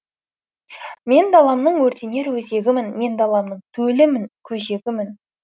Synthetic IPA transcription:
me̞nd̪ɑlˠɑmnəɴwɵɾt̪e̞ne̞ɾwɵze̞ɡʲɪmɪnme̞nd̪ɑlˠɑmnəɴt̪ʰɵlɪmɪnkʲʰɵʒe̞ɡʲɪmɪn

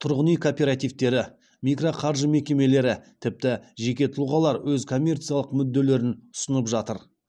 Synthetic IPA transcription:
t̪ʰʊɾʁənijkʰopʲe̞ɾat̪ijvt̪e̞ɾɪ | mʲijkro̞qʰɑɾʒəme̞kʲe̞me̞le̞ɾɪt̪ʰɪp̚t̪ɪʒe̞kʲe̞t̪ʰʊluʁɑlˠɑɾwɵzkʰo̞mʲːe̞rt̪sɨijalˠəqmʏd̪ːe̞le̞ɾɪnʊsənəpʒɑt̪əɾ

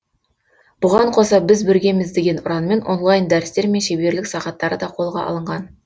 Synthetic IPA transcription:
b̥ʊʁɑɴqʰo̞sɑbɪzbɵɾɡʲe̞mɪzd̪e̞ɡʲe̞nʊɾɑnme̞nʔo̞̰nlˠɑjnd̪æɾɪst̪e̞ɾme̞nʃebe̞ɾlɪksɑʁɑt̪ːɑɾəd̪ɑqʰo̞lˠʁɑ̰ʔɑ̰lˠəɴʁɑn

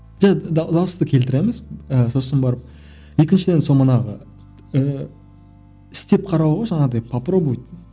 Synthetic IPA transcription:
ʒæd̪ɑwəst̪əkʲʰe̞lt̪ɪɾe̞mɪzəso̞sənbɑɾəp̚ | je̞kʲɪnʃɪd̪e̞nso̞mɑnɑʁə̰ | ə | ɪ̥st̪e̞p̚qʰɑɾɑwʁɑʒɑɴɑd̪ɑjpʰaprobujt̪

